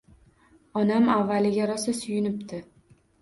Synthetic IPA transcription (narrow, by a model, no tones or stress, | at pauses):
ɒnamavːalɪɡʲaɾɒsasʊjʊnɪpt̪ʰɪ